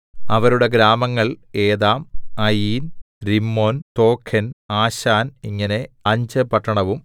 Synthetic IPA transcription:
ɐʋɐɾuɽe̞ɡɾaːmɐŋːɐɭe̞ːðaːmɐjiːn | ɾimːo̞ːnt̪o̞ːkʰenaːɕaːniŋːɐne̞ɐɲd͡ʑɨpɐʈːɐɳɐʋum

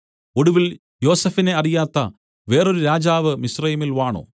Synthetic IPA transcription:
o̞ɽuʋil | jo̞ːsɐfine̞ɐrijaːt̪ːɐ | ʋe̞ːroɾuɾaːd͡ʑaːʋɨmisrɐjɐmilʋaːɳo̰ː

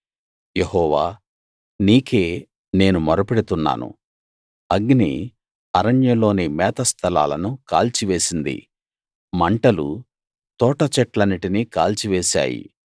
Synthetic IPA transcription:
jehɔːʋaː | niːke̞ː | ne̞ːnumɔɾɐpeɽit̪unːa̰ːnṵ | ɐɡnḭ | ɐɾɐnjɐlo̞ːnimɛːt̪ɐst̪ʰɐla̰ːlɐnuka̰ːlt͡ʃiʋe̞ːsind̪ḭ | mɐɳʈɐlṵ | t̪ɔːʈɐt͡ʃɛʈlɐnːiʈinikaːlt͡ʃiʋeːsa̰ːjḭ

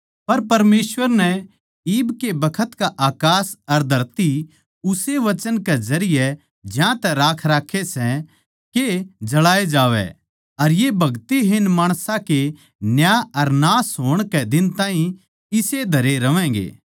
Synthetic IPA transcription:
pɐɾpɐɾmeːsʋəɾnɛ | iːbkebɐkʰət̪kaʔaːkaːsɐɾd̪ʱɐɾt̪i | ʊseʋɐt͡ʃənkezɐɾɪjɛ | d͡ʒjãt̪ɛɾaːkʰɾaːkʰesɛ | ked͡ʒɐɭaːed͡ʒaːʋɛ̰ | ɐɾjebʱɐɡt̪iɦɪnmaːɽ̃sãke | njaːɐɾnaːsɦoːɽ̃kɛd̪ɪnt̪ãːɦĩ | ɪsed̪ʱɐɾeɾɐʋɛ̃ːɡḛː

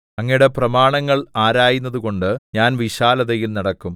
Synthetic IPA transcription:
ɐŋːɐjuɽe̞prɐmaːɳɐŋːɐɭaːɾaːjunːɐðuko̞ɳɖɨɲaːnʋiɕaːlɐðɐjilnɐɽɐkːum

